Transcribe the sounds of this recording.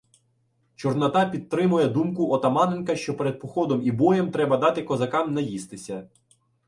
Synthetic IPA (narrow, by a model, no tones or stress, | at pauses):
t͡ʃɔrnɐt̪ɑpʲit̪̚t̪ɾɪmʊjɛd̪umkʊɔt̪ɐmɑnenkɐʃt͡ʃɔpeɾed̪̚pɔxɔd̪ɔmibɔjɛmt̪ɾɛbɐd̪ɑt̪ɪkɔzɐkɑmnɐjist̪ɪsʲɐ